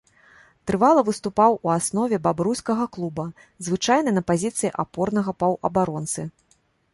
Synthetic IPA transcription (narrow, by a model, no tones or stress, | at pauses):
t̪ɾɨvalˠɐvɨst̪upawuasnɔvʲɛbabɾusʲkɐɣɐklˠubɐ | zvɨt͡ʂajnɨnɐpazʲit̪sɨjiʔapɔrnɐɣɐpɐwʔɐ̰baɾɔnt̪sɨ